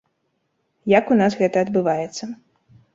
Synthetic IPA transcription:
jakunasɣɛt̪ɐːd̪bɨvajɛt̪sːɐ

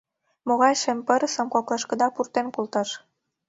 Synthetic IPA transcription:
moɣɑjʃempə̆ɾəsə̆mkoklɑʃkə̆d̪ɑpurt̪enkult̪ɑʃ

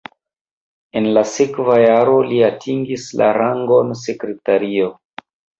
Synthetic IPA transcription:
e̞nlasekvajaɾo̞liatʰiŋɡisla̰ɾaŋɡo̞ns̬e̞kɾe̞taɾio̞

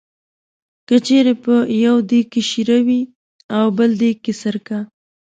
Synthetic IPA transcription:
kət͡ʃeɾepəjawd̪ekːeʃiɾawi | awbəld̪ekːesəɾka

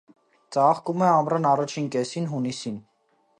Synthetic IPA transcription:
t͡sɑχkumɛɑmɾɑnɑrɑt͡ʃʰinkɛsinɦunisin

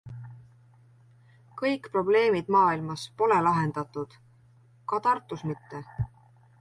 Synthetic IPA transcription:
kɤjkpro̞ble̞ːmid̪̥mɑːilmɑspo̞le̞lɑɦe̞nd̪̥ɑt̪ːˑud̪̥ | kɑt̪ɑrt̪ːˑusmit̪ːe̞

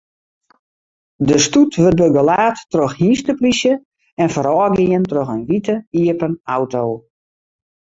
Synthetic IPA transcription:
dəstutʋøt̚bəɡəlaːtːroxhiːstəplisjə | ɛnfəɾɔːɡiəntroxənʋitəiəpənawtoː

